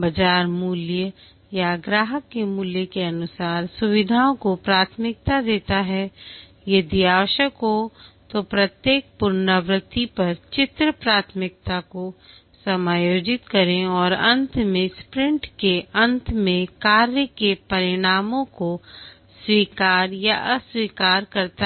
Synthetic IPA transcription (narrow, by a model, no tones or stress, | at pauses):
bɐd͡ʒaːɾmuːljə | jaɡɾaːɦəkːemuːljəkeɐnʊsaːɾsʊʋɪd̪ʱaõkopɾaːt̪ʰmɪk̚t̪ad̪eːt̪aɦɛ | jed̪ijaːʋəʃəkot̪opɾɐt̪jeːk̚pʊɾnəʋɾɪt̪ipɐɾt͡ʃɪt̪ɾəpɾaːt̪ʰmɪk̚t̪ako | sɐmaːjoːd͡ʒɪt̪kɐɾẽɔːɾɐ̃nt̪ʰmẽspɾɪ̃ɳʈkeɐ̃nt̪ʰmẽkaːɾjəkepɐɾɪɽ̃aːmõko | swiːkaːɾjaʔəswiːkaːɾkɐɾt̪a